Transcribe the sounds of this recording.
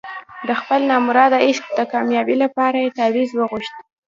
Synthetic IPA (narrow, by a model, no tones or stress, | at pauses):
d̪əxpəlnɑmuɾɑd̪ɪʃk̚d̪əkɑmjɑbilapɑɾajet̪awizwəɣuʃt̪̚